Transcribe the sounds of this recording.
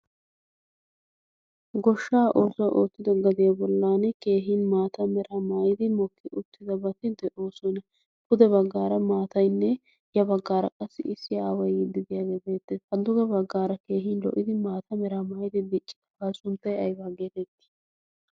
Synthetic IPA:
ɡɔʃːaːʔo̞ːsɔwʔoːt̪ːɪd̪ɔɡɐd̪ɪabɔlːaːnɛke̞ːɦiːnmaːt̪ɐmɛɾʔamaːjɪd̪ɪmɔkːɪʔʊt̪ːɪd̪ɐbɐt̪ɪd̪ɛʔo̞ːsɔnɛ | kʊd̪ɛbɐɡːaːɾɐmaːt̪ɐjnːɛ | jɐbɐɡːaːɾɐkʼɐsːɪʔɪsːɪjaːwɐjɪd̪ːɪd̪ɪjaːɡeːbe̞ːt̪ːɛhɐd̪ʊɡɐbɐɡːaːɾɐke̞ːɦiːnlɔ̰ʔɪd̪ɪmaːt̪ʰɐmɛɾamaːjɪd̪ɪd̪ɪt͡ʃʼːɪ̥d̪ɐ̥baːsʊnt̪ːɐjɐjbaːɡe̞ːt̪ɛt̪ːɪ̥

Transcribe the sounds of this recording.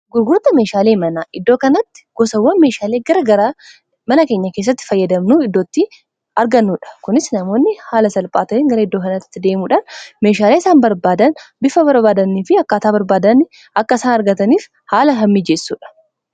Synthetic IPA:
ɡʊɾɡʊɾt̪ɐme̞ːʃaːle̞ːmɐnaːʔɪd̪ːo̞ːkɐnɐt̪ːɪ̥ɡ̥ɔsɐwːɐnme̞ːʃaːleːɡɐɾɐɡɐɾa | mɐnɐke̞ːɲːɐke̞ːs̬ːɐt̪ːɪ̥fɐjːɐd̪ɐmnuːɪd̪ːo̞ːt̪ːɪ | ɐɾɡɐnːuːᶑɐ̥kʊnɪsnɐmo̞ːnːɪhaːlɐsɐlpʼaːt̪ɐeːŋɡɐɾɐɪd̪ːoːkɐnɐt̪ːɪ̥t̪ːɪd̪e̞ːmuːᶑanme̞ːʃaːleːɪsaːnbɐɾbaːd̪ɐnbɪfɐbɐɾbaːd̪ɐnːiːfɪɐkːaːt̪aːbɐɾbaːd̪ɐnɪ | ɐkːɐsaːnɐɾɡɐt̪ɐniːf | haːlɐɦɐmːid͡ʒesːuːᶑɐ̥

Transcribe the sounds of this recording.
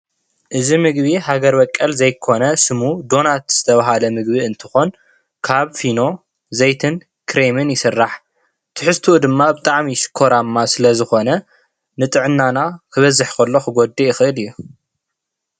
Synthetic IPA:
ʔɨzimɨɡbihaɡɐɾbɐkʼːɐlzɐjkʰo̞nɐsɨmud̪o̞nat̪z̥ɨt̪ʰɐβaɦalɐmɨɡbiɨnt̪ʰɨ̥xo̞n | kʰaβfino̞ | zejt̪ʰɨn | kʰɾemɨnjɪsɨrːaħ | t̪ʰɨħɨst̪ʰuud̪ɨmːabɨt̪ʼaʕmiʃɨ̥kʰːo̞ɾamːasɨlɐzɨxo̞nɐ | nɨt̪ʼɨʕɨnːanakʰɨβɐzɨħkʰɐlːo̞xɨɡo̞d̪ːijɪxɨʔɨlɨjːu

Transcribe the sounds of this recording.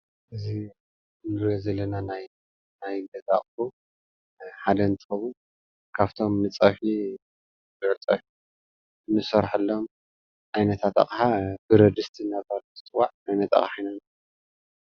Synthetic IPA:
ʔɨzi | nɨɾjozɐlːɐnanaj | najɡɐza̰χʼfu | ħad̪ɐɨnt̪ʰɨ̥xɐβu | kʰaβt̪ʰo̞mːɨt͡sʼɐħi | bɨʕt͡sʼɐħi | ɨnːɨsɐɾħɨlːo̞m | ʔajnɐt̪ʰat̪a̰χʼħabɨɾɐd̪ɨst̪ʰinazaluzɨt͡s̪ʼɨwaʕʕajnɐt̪a̰χʼħajnan

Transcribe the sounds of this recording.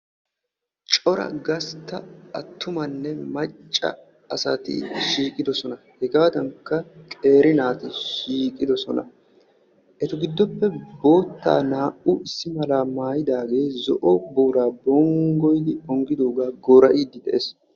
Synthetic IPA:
t͡ʃʼɔɾɐ̰ɡɐst̪ːɐɐt̪ːʊmɐnːɛmɐt͡ʃʼːɐ̰ | ɐsɐt̪ɪ̰ʃiːkʼɪd̪ɔsɔnɐ | hɛɡaːd̪ɐŋkːɐkʼe̞ːɾɪnaːt̪ɪʃiːkʼɪd̪ɔsɔnɐ̰ | ʔɛt̪ʊɡɪd̪ːɔpːɛbo̞ːt̪ːa̰ːnaːʔʊʔɪsːɪmɐlaːmaːjɪd̪aːɡe̞ːzɔ̰ʔɔboːɾaːbɔŋɡɔjd̪ɪɔŋɡɪd̪o̞ːɡaːɡɔːɾɐʔiːd̪ɪd̪ɛʔes

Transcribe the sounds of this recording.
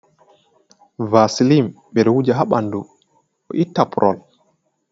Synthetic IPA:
vasilim | ɓɛɗɔwud͡ʒaɦaɓandu | ɔ̰ʔitːapʰuɾʔɔ̰l

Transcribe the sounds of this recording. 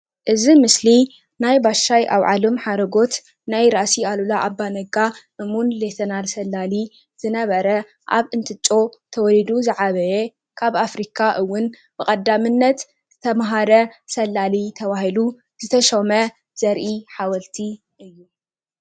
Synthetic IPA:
ʔɨzimɨsli | najbaʃajʔa̰wʕa̰lomħaɾɐɡo̞t̪ | najɾaʔsialulaʔabːanɐɡaʔɨmunlet̪ʰɐnalsɐlːali | z̥ɨnɐβɐɾɐ | ʔa̰βɨnt̪ʰɨt͡ʃʼːo̞t̪ʰɐwɔlid̪uzɨʕaβɐje | kʰaβafɾikʰaʔɨwːʊn | b̥ɨkʼɐd̪ːamɨnːɐt̪ | ɨt̪ʰɐmɦaɾɐsɐlːalit̪ʰɐβahilu | zɨt̪ʰɐʃomɐ | z̥ɐɾʔiħawɐlt̪ʰi | ʔɨjːu

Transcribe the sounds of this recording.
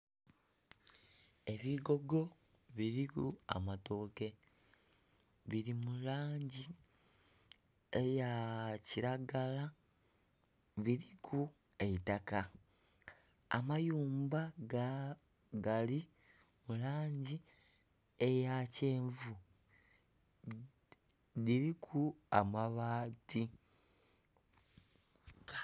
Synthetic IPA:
e̞βiɡo̞ɡo̞ | βiɾikua̰matoːke̞ | βiɾimulaːɲɟi | ejaciɾaɡala | βiɾikʰu | e̞itaka | a̰majuːmba | ɡali | mulaːɲɟi | e̞jaceːɱvu | diɾikʰua̰maβaːti

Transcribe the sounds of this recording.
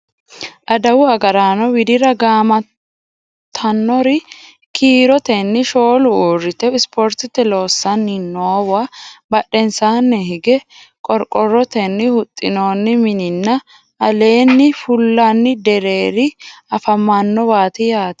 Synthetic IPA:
ʔɐd̪ɐwʊɐɡɐɾaːnɔwɪd̪ɪɾɐɡaːmɐ | t̪ʰːɐnːɔɾɪ | kʰiːɾɔt̪ɛnːɪʃo̞ːlʊuːrːɪt̪ɛɪspʰoɾt̪ɪt̪ːɛlo̞ːsːɐnːɪnːoːwabɐɗːɛnsaːnːɛɦɪɡɛ | kʼɔɾkʼɔrːɔt̪ɛnːɪhʊt̪ʼːɪnoːnːɪmɪnɪnːɐ | ɐle̞ːnːɪfʊlːɐnːɪd̪ɛɾe̞ːɾɪɐfɐmːanːɔwaːt̪ɪjaːt̪

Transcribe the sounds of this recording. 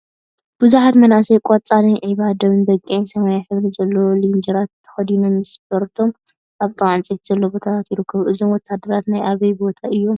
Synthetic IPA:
b̥ɨzuħat̪mɐnasɐjkʷʼɔt͡sʼalinʕiβad̪ɐβɨnbɐkʼːiʕinsɐmajaħɨβɾizɐlːolind͡ʒɐɾat̪t̪ʰːɐ̥xɐd̪inomːɨsbɐɾt̪ʰo̞m | ʔaβt̪ʼɨʕɨnt͡sʼet̪z̥ɐlːobo̞t̪ʰat̪ʰat̪jɪɾɨkʰːɐβʔɨzo̞mwɔt̪ʰːad̪ːɐɾat̪najʔaβɐjbo̞t̪ʰaʔɨjːo̞m

